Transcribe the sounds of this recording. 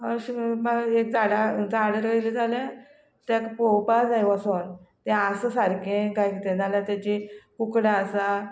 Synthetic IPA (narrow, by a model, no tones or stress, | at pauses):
əɕmaek̚d͡zaɽad͡zaɽəɾɡəjlid͡zʱaljã | t̪akpowpad͡zajʋasont̪ɛ̃asəsaɾkẽɡajɡit̪ẽd͡zaljat̪jat͡ɕikukɽaəsa